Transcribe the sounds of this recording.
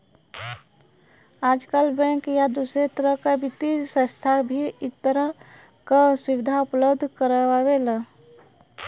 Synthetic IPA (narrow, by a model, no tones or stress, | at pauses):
aːd͡ʒkalbɛ̃ŋkjad̪usɾet̪əɾəɦkabʱit̪isə̃st̪ʰabʱiɪt̪ːəɾə | kasiʋɪd̪ʱaʊpləbd̪ʱkəɾawela